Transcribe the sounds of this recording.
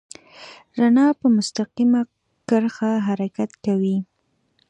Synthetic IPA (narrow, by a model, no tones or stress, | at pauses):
ɾanɑpəmʊst̪aqima | kəɾxaɦaɾakat̪kawi